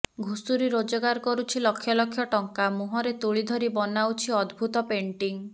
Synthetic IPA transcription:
ɡʱusuɾiɾod͡ʒɔɡaɾkɔɾut͡ʃʰilɔkʰːjɔlɔkʰːjɔʈɔŋkamuɦɔɾet̪uɭid̪ʱɔɾibɔnawt͡ʃʰiɔd̪bʱut̪ɔpeɳʈiŋ

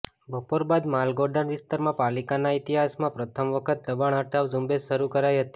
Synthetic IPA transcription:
bʱəpoɾbad̪malɡoɾɖəɳʋɪst̪aɾmãpalikanait̪iɦasmãpɾət̪ʰəmʋəkʰət̪̚d̪əbaɳ̃əʈʰaʋd͡ʒũmbeʃəɾukəɾajɦət̪i̥

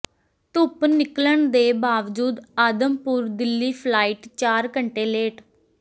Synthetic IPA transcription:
t̪ʊpnɪkləɳd̪eːbaːʋd͡ʒuːd̪aːd̪əmpuːɾd̪ɪlːiːpʰlaːiːʈt͡ʃaːɾkəɳʈeːleːʈ

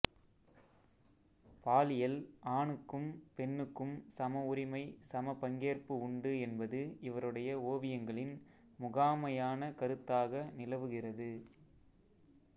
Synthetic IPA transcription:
paːlɪjɐlaːɳɯkːɯmpɛnːɯkːɯmsɐmɐʊɾɪmɐɪsɐmɐpɐŋɡeːrpɯʊɳɖɯɛnbɐðɯɪʋɐɾɯɽɐjɐoːʋɪjɐŋɡɐɭɪn | mʊɣaːmɐjaːnɐkɐɾɯt̪ːaːɣɐnɪlɐʋɯɣɪrɐðɯ

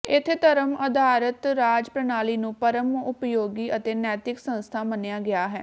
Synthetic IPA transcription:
ɪt̪ʰːet̪əɾəməd̪ʱaːɾət̪ɾaːd͡ʒpɾənaːliːnũːpəɾəmʊpjoːɡiːʔət̪eːnɛːt̪ɪksə̃nst̪ʰaːmənejaːɡɪaːɦɛ̰ː

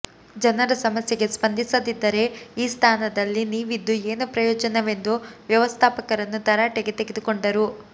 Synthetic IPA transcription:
d͡ʒɐnɐɾɐsɐmɐsjeɡespɐnd̪ʱisɐd̪id̪ːɐɾe̞iːst̪ʰaːnɐd̪ɐlːiniːʋid̪ːueːnupɾɐjɔːd͡ʒɐnɐʋe̞nd̪uʋjɐʋɐst̪ʰaːpɐkɐɾɐnːut̪ɐɾaʈeɡe̞t̪e̞ɡed̪uko̞ɳɖɐɾu

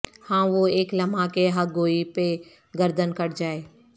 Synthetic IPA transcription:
hãːʋoeːklɐmakeɦɐɡoːipe | ɡəɾd̪ʱənkɐɾd͡ʒaːeː

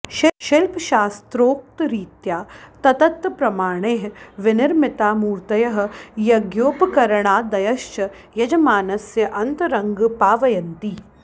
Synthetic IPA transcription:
ʃʃɪlpʃaːst̪ɾoːk̚t̪ɾiːt̪jaːt̪ɐt̪ɐt̪pɾɐmaːɳ̃eːɦʋɪnɪɾmɪt̪aːmuːɾt̪ɐjɐɦɐ̆jɐɡjoːpkɐɾɐɳ̃aːd̪ɐjɐʃt͡ʃɐ | jɐd͡ʒɐmaːnɐsjɐʔɐnt̪ɐɾɐŋɡpaːʋɐjɐnt̪iː

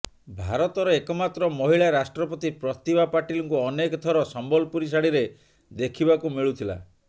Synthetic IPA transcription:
bʱaɾɔt̪ɔɾɔekɔmat̪ɾɔmɔɦiɭaɾasʈɾɔpɔt̪ipɾɔt̪ibapaʈilɔŋkuɔnekɔt̪ʰɔɾɔsɔmbɔlpuɾis̬aɽiɾe | d̪ekʰibakumiɭut̪ʰila̰

